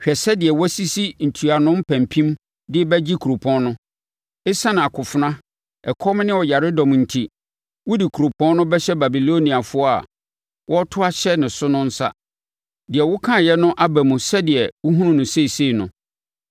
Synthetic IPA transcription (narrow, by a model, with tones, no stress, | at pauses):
ɕᶣɛ˨sɛ˦dɪ˨ɛ˨wɔ˦si˦si˦n̩˨tʰu˨a˨nʊ̃˦mpʰæ̃˨mpʰĩ˦m | dɪ˦bɛ˦d͡ʑi˦kʰu˨ɾo˨pʰɔ̃˦nnʊ̃˦ | ɪ˦sa˦nɪ̃˨a˨kʰʊ˨fʊ˨nã˦ | ɛ˨kʰɔ˦m˦nɪ̃˦ɔ˨ja˨ɾɪ˦dɔ̃˨m˨n̩˨tʰi˨ | wʊ˦di˨kʰu˨ɾo˨pʰɔ̃˦n˦nʊ̃˦bɛ˦ɕɛ˦ba˨bi˨lo˦nĩ˨a˨fʊ˦ɔ˦a̰˨ | wʔɔ˦tʰʊ˦a˦ɕɛ˦nɪ̃˨sʊ˦nʊ̃˦n̩˦sa̰˦ | dɪ˨ɛ˨wʊ˦kʰã˦˨jɛ˦nʊ̃˦ʔa˦bæ˨mũ˨sɛ˦dɪ˨ɛ˨wʊ˦ɦũ˦nũ˦nʊ̃˨se˦i˨se˦˨nʊ̰̃˨